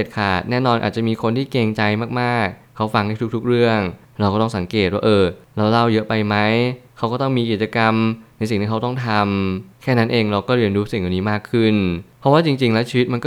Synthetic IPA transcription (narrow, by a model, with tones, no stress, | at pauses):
e˨˩t̪̚kʰaː˨˩t̪̚nɛː˥˩nɔː˧nʔːt̪̚t͡ɕa˨˩miː˧kʰo˧nt̪ʰiː˥˩keː˧ŋt͡ɕa˧jmaː˥˩k̚maː˥˩k̚ʰːa˦˥wfa˧ŋdaː˥˩jt̪̚ʰt̪ʰk̚ɾɯ˥˩əŋ | ɾa˧wkɔ˥˩t̪ɔ˥˩ŋsa˩˦ŋkeː˨˩t̪̚waː˥˩ʔɤː˧ɾa˧wla˥˩wjɤ˦˥pa˧jma˦˥jkʰa˦˥wkɔː˥˩t̪ɔ˥˩ŋmiː˧ki˨˩t͡ɕa˧ka˧mna˧jsi˨˩ŋt̪iː˥˩˦t̪ɔ˥˩ŋt̪ʰa˧mkʰɛː˥˩na˦˥nʔeː˧ŋɾa˧wkɔː˥˩ɾi˧ənɾuː˦˥si˨˩ŋja˨˩niː˦˥maː˥˩kʰːɯ˥˩npʰɔ˦˥waː˥˩t͡ɕi˧ŋt͡ɕi˧ŋlɛː˦˥wt͡ɕʰiː˧w̪ma˧nkɔ˥˩